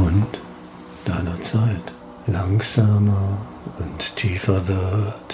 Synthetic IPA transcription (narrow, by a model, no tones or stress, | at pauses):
ʊnt | d̥aɪnɐt͡saɪt | laŋz̥aːmɐ | ʊnttʰiːfɐvɛɐt